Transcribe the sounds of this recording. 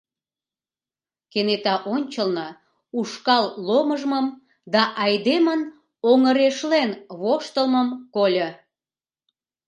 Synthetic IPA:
kenet̪ɑʔonʲt͡ɕəlnə | uʃkɑlːoməʒməm | d̪ɑʔɑjd̪emən | oŋəɾeʃlenβoʃt̪əlməmkolʲə

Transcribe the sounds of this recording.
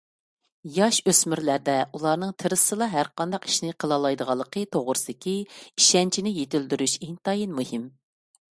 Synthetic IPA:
jɑʃøsmyɾlæɾd̪ɛulˠɑɾnɨŋt̪ʰɨɾɨsɨlˠɑɦæɾqɑnd̪ɑqi̥ʃnɪqʰəlˠɑlˠɑjd̪əʁɑlˠːəqʰət̪ʰoʁɾɨsɨd̪ɪkʲiiʃɛnt͡ʃʰinɪjet̪ɪld̪yɾyʃent̪ɑjinmuhim

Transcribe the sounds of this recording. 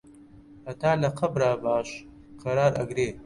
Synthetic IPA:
ɐt̪aːlɐqʰɐbɾaːbaːɕ | qɐɾaːɾɐ̰ɡɾeː

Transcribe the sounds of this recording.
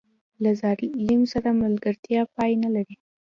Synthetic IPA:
lazɑɾilimsaɾamalɡəɾt̪ʰjɑpɑjenalaɽi

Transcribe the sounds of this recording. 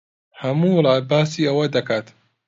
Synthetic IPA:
hɐmuːlʕabːaːsiːʔɐwɐd̪ɐkaːt̪

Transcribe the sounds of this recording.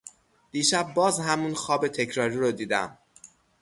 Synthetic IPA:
d̪̥iːʃæb̚ːɒːzhæmunxɒːbe̞t̪ʰe̞cʰɾɒːɾiːɾod̪iːd̪æ̰m

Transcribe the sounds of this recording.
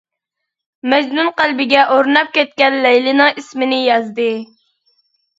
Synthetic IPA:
mɛd͡ʒnunqælbɪɡʲɛʔoɾnɑp̚kʲɛt̪̚kʲɛnlɛjlɪnɪŋismɪnɪjɑzd̪ɨ

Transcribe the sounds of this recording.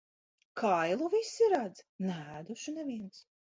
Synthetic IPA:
kʰajlˠuvisiɾad̪znɛæːd̪uʃunɛviɛns

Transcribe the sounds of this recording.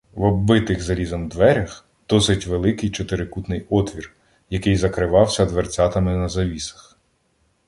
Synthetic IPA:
ʋɔbɪt̪ɪɣzɐlʲizɐnd̪ʋɛɾʲɐx | d̪̥ɔsɪtʲʋelˠɪkɪjt͡ʃɔt̪ɪɾɪkut̪nɪjɔt̪ʋʲir | jɐkɪjzɐkɾɪʋɑwsʲɐd̪ʋert͡sʲɑt̪ɐmɪnɐzɐʋʲisɐ̥x

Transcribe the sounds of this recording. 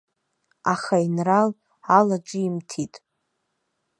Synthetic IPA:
aχainral | alaʈ͡ʂʼɪimtʰitʼ

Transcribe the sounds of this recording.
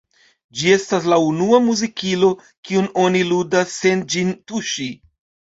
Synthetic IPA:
d͡ʒie̞staslaunuamuzikilo̞ | kiuno̞niludasːe̞nd͡ʒintuʃi

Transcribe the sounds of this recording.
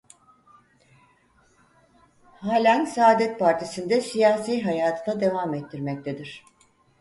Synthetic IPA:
haːlʲænsaːd̪ɛt̪̚pʰaɾt̪ʰisind̪ɛsijaːsijɦajaːt̪ʰɯnad̪e̞vaːmɛt̪ːiɾmɛct̪ʰed̪iɾ̝̥

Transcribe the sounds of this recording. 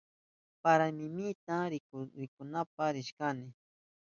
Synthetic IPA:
paɾamɪmɪt̪aɾɪkʊɾɪkʊnap̚aɾɪʃkanɪ

